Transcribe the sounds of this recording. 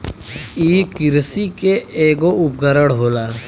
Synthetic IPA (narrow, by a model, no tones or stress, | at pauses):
iːkɪɾsikeeːɡoʊpɡəɾəɽɦoːlaː